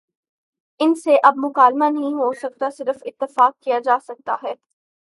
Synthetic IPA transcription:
ɪnseʔɐbmʊkaːlmanɐɦĩɦoːʃɐkt̪asɪɾəfɪt̪ːɪfaːkːijad͡ʒaːsɐk̚t̪aɦɛː

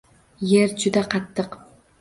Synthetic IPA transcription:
jeɾd͡ʒʊd̪aqʰɑt̪ʰːɨq

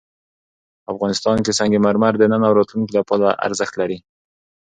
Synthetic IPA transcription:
afɣɑnɪst̪ɑnkesaŋɡemaɾmaɾd̪ənənawɾɑt̪lunkilapɑlaʔa̰ɾzəxt̪laɾi

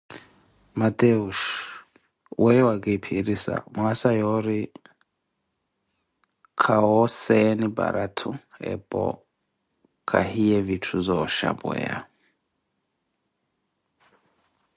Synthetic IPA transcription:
mat̪ʼeuʃ | wʔɛjwakʼipʰiɾisa̰mwasajɔɾi | kʰaɔsɛniba̰ɾatʰuɛ̰pʼɔ̰ | kʰaɦijɛvitʰuzʷɔʃa̰buɛ̰a̰

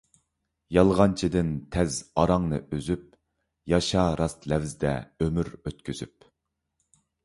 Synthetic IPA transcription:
jɑlˠʁɑnt͡ʃʰid̪ɪnt̪ʰɛzɑɾɑŋnɨ̰øzyp̚ | jɑʃɑɾɑst̪lɛvzd̪ɛ̰ømyɾøt̪̚kʲʰyzyp̚

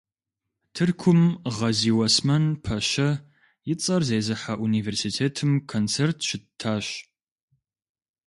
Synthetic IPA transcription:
tʰɨrkʷʰʊmʁɐziːwɐsmɐnpʰɐɕɐ | jɪt͡sʼɐrzeːzɨħaʔuniːveːrsiːtʰeːtʰɨmkʰont͡sʰeːrtʰʃɪtʰːaːɕ

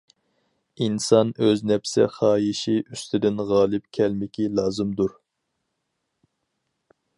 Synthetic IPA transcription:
insɑnøznɛpsɪ̰χɑːjiʃiʔyst̪ʰɪd̪ɪnʁɑːlˠɨp̚kʲʰɛlmɪkʲilˠɑːzɨmd̪uɾ

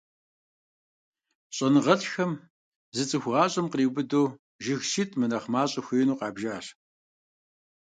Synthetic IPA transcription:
ɕʼɐnɨʁɐɬxɐm | zɨt͡sʼɨxʷʁɑːɕʼɐmqriːbɨdoː | ʒɪɣʃɪtʼmɨnɐχmaːɕʼɐxʷiːnuːqɑːbʒaːɬ

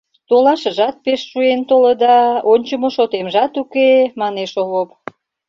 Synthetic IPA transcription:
t̪olɑʃəʒɑt̪̚peʃːuent̪oləd̪ɑonʲt͡ɕəmoʃot̪emʒɑt̪ukemɑneʃoβop

